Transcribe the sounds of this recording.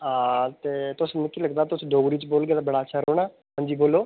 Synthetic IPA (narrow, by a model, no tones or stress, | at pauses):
aːt̪eːt̪ʊsnɪkːiːləɡd̪aːt̪ʊsũːɖoːɡɾiːt͡ʃboːlɡeaːt̪abəɽaːət͡ʃːʃʰaːɾoːɽ̃aː | ɦãːɲd͡ʒiːboːloː